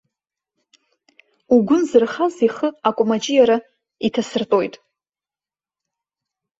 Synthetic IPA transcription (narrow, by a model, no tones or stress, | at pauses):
uɡʷʊnzɨrχaziχəakʷʼmat͡ʃʼijaɾa | itʰasɨrtʼo̞jtʼ